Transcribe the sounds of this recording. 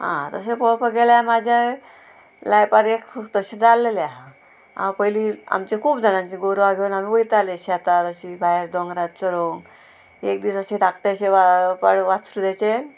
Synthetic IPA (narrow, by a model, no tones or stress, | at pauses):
ɦã̰t̪əɕepɔɭpəɡeljamad͡ʑʱa | lajpaɾekt̪əɕẽd͡zalːelja | a̰wpəjilia̰mt͡ɕekʰuːbd͡z̪ʱəɽ̃ãɲt͡ɕiɡoɾʋaɡʱeunamiːpəjt̪aleəɕeat̪at̪əɕibʱaeɾd̪ɔŋɡɾat̪̚t͡səɾoŋɡ | ek̚d̪iːsəɕid̪akʈeɕeʋapaɽʋat͡sɾud̪at͡ɕe